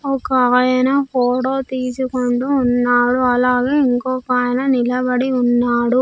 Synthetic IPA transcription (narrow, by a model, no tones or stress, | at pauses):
ɔkaaːjɐnɐpoːʈoːt̪iːt͡ʃukoɳɖuːnːaːɽuɐlaːɡeːiŋkoːkaːjɐnɐnilɐbɐɽiunːaːɽu